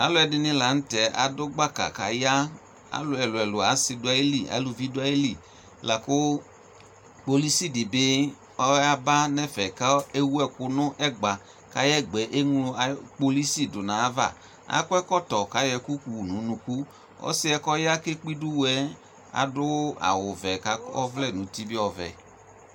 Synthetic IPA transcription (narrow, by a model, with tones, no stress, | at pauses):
a˨˦lʊ˦ɛ˧dɪ˧nɪ̃˧la˨˦n̩˦tɛ˨a̰˨dʊ˦ɡ͡ba˦ka̰˨ka̰˨ja˦ | a̰˨˦lʊ˧ɛ˨lʊ˨ɛ˨lʊ˨a˨˦sɪ˧dʊ˦a˦i˦li˨a̰˨˦lʊ˧vi˦dʊ˦a˦i˦li˨ | la˨kʊ˦ | k͡po˧li˦si˦˨dɪ˨bɪ˦ | ɔ˦a˦ba˦nɛ˦fɛ˨ka˦e˦wu˦ɛ˦kʊ˧nʊ˦ʔɛ˦˨ɡ͡ba˨ | ka˨˦jɛ˦˨ɡ͡bɛ˨˦ʔe˦ŋlʊ˧a˨k͡po˧li˦si˦˨dʊ˨nã˨a˦va̰˦˨ | a̰˦kʊ˦ɛ˦kɔ˦tɔ˨ka˨˦jɛ˧ku˦ku˨u˨nũ˨˦nũ˧ku˦ | ɔ̰˦sɪ˦ɛ˧kɔ˦ja˦ke˦k͡pi˦du˦wɛ˨˦ | a̰˨dʊ˦a̰˨wʊ˨vɛ˨ka˦kɔ˦vlɛ˦˨nʊ̃˨ti˦bɪ˦ɔ˨vɛ̰˨